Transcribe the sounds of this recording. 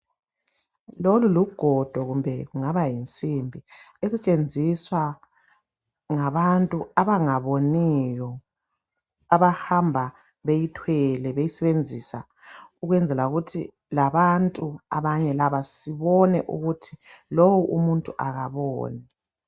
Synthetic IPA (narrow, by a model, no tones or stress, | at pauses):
loluluɡ̥ʱɔd̥ʱɔɣumbʱɛɣuŋaβajint͡sʼimbʱi | ɛsɛt͡ʃʼend͡zʱiswa | ŋaβantʼuaβaŋaβonijɔ | aβahambʱa | βejitʰwɛlɛβejisɛβend͡zʱisa | uɣwɛnd͡zʱɛlauɣutʰḭ | laβantʼua̰βaɲɛlaβasiβɔnɛʔṵɣutʰilowuʔumuntʼuʔaɣaβɔ̰ːni